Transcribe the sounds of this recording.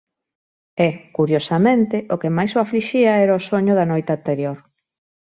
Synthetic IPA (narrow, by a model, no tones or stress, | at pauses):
ɛkuɾjosamẽnt̪ɪʔokemajsoafliʃiaɛɾaosoɲʊðanojt̪eant̪eɾjoɾ